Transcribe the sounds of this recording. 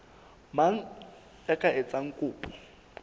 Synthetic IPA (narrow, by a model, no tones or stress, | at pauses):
maŋ̩ | jakʼaɪt͡sʼaŋ̩kʼʊːpʼɔ̥